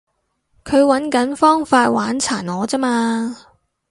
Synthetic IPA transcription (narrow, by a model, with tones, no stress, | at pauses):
kʰɵ˨˧ɥwɐ˨˥nkɐ˨˥nfɔː˥ŋfaː˧t̚waː˨˥nt͡sʰaː˨˩nɔː˨˧t͡sɐ˥maː˧